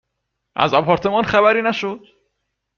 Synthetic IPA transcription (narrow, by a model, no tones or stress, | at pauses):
ʔæ̰zɒpʰɒːɾt̪ʰe̞mɒnxæbæɾiːnæʃod̪̥